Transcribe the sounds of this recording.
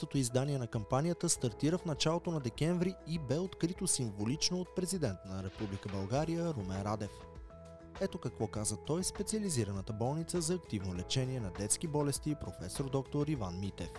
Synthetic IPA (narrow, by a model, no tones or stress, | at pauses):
ot̪oizd̪aniɛnɐkɐmpanijət̪əst̪ɐɾt̪iɾəfnɐt͡ʃalˠot̪onɐd̪ɛkʲɛɱvɾiːbɛot̪kɾit̪osiɱvolit͡ʃnoːt̪̚pɾɛzid̪ɛnt̪ənəɾɛpublikəbɐlˠɡaɾijəɾumɛnɾad̪ɛf | ɛt̪okɐkvɔkazət̪ɔjspɛt̪siəliziɾənət̪əbɔlˠnit̪səzɐːkt̪ivnolɛt͡ʃɛniɛnɐd̪ɛt̪sk̟ibɔlɛst̪iːpɾofɛsoɾd̪ɔkt̪oɾivanmit̪ɛ̰f